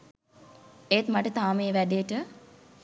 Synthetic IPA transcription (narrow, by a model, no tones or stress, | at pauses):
ejt̪maʈət̪aːmeːʋædeʈə